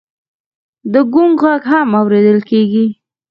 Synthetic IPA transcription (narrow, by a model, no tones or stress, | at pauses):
d̪əɡuŋɡɣaɡɦamawɾed̪əlkeɡi